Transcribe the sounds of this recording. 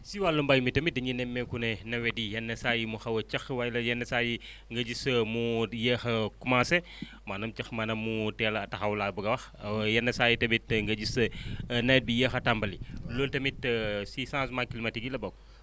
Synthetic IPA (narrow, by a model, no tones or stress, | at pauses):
siwalːɐmbaːjmitɐmit̚dɐɲinɛmːɛkunɛnɐwɛdijɐnːɐsaːjimuxɐwɐt͡ʃɐxwajlɐjɛnːɐsaːji | ŋɡɐɟismujɛːxɐkumãːsɛ | manɐmt͡ʃɐxmɐnɐmːutɛːlɐɐtɐxɐwlabuɡɐwɐxjɛnːɐsaːjitɐmitŋɡɐd͡ʒisɐnɛt̚bijɛːxɐtambɐliloːltɐmitsisãːsmakilimɐtiɡilɐbɔk̚